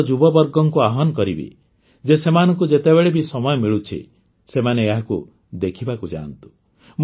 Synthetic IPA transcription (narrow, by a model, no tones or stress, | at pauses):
d͡ʒubɔbɔɾɡɔŋkuaɦɔnɔkɔɾibḭ | d͡ʒesemanɔŋkud͡ʒet̪ebeɭebisɔmɔjɔmiɭut͡ʃʰḭ | semaneeɦaku | d̪ekʰibakud͡ʒa̰nt̪u̥ | m